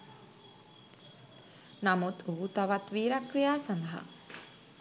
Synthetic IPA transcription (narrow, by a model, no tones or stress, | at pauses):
namut̪ʰuɦut̪aʋat̪ʋiːɾakɾijaːsand̪əɦa̰